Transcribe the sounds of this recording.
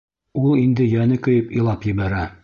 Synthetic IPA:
ulˠind̪ɘjænɘkɵ̆jɘpĭlˠɑpjɘ̆βæɾæ

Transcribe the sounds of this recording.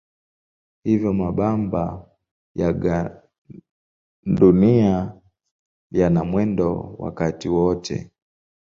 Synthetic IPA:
hivjɔmaɓamba | jaɡa | ndunia | janamwɛndɔ̰wa̰katiwɔtʰɛ̰

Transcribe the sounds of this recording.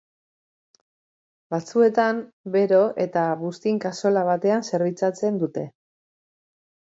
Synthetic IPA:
bat͡sue̞t̪am | be̞ɾo̞ʔe̞t̪aβust̪iŋkaso̞laβ̞at̪e̞anse̞ɾβit͡sat͡se̞nd̪ut̪e̞

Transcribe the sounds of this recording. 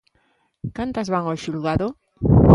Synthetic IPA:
kant̪azβaŋoʃulɣaðo

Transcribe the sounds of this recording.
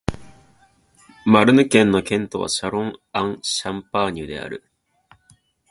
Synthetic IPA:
maɾɯ̟nɯ̟kẽ̞nːo̞kẽ̞nt̪o̞βa̰ɕaɾõ̞ŋãŋɕãmpaɲ̟iɯ̟d̪e̞̰a̰ɾɯ̟

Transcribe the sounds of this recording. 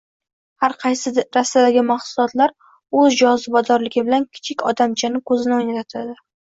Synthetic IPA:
haɾqʰɑjsɪɾasːad̪aɡʲɪmaχsʊlˠɒt̪laɾ | ɵzd͡ʒɒzɪbɒd̪ɒɾlɪɡʲɪbɪlankʲʰɪ̥t͡ʃʰɪkʲɒd̪amt͡ʃʰanɪkʰɵzɪnɪojnat̪at̪ʰad̪ɪ

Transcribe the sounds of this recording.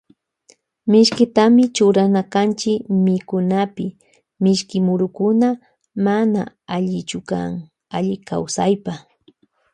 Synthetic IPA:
mɪʃkɪt̪amɪt͡ʃʊɾanakant͡ʃɪkmɪkʊnapɪ | mɪʃkɪmʊɾʊkʊna | mana̰ | aʎɪt͡ʃʊka̰ŋ | aʎɪka̰wsajpa

